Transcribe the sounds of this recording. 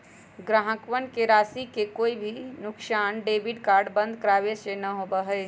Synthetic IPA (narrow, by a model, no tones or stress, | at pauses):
ɡɾaːɦəkʋənkeɾaːsikekoːibʱinʊksaːnɖeːbɪɖkaːɾɖbə̃nd̪ʱkəɾaːʋesenɐɦoːbəɦɛː